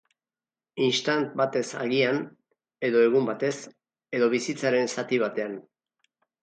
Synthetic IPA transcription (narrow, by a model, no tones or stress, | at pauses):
inst̪ant̪̚bat̪e̞sa̰ɣian | e̞ðo̞e̞ɣ̞umbat̪e̞s | e̞ðo̞βisit͡saɾe̞nsat̪iβ̞at̪e̞an